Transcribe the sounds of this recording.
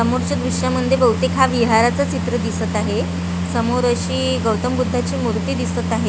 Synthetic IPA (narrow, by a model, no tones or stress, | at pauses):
əmoɾt͡ɕad̪ɾuɕaməd̪ʱjebəwt̪ekʰaʋiɦaɾat͡sat͡ɕit̪ɾəd̪isət̪aɦe | səmoɾəɕiː | ɡəwt̪əmbud̪ʱːat͡ɕiːmuɾt̪iːd̪isət̪aɦe